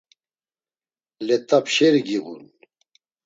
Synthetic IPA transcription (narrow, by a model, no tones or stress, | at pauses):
lɛt̪ʼapʃɛɾɡiɣṵn